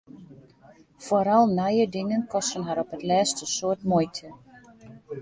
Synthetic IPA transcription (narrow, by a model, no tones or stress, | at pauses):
foɾɔlˠnajədɪŋənkɔstənɦaɾɔpətlɛːstəsoərtmojtʰə